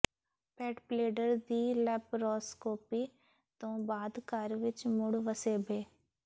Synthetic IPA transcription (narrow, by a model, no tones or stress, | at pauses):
pɛːʈpleːɖəɾd̪iːlɛpɾɔːskoːpiː | t̪õːbaːd̪kaːɾʋɪt͡ʃmʊɽʋəseːbʱeː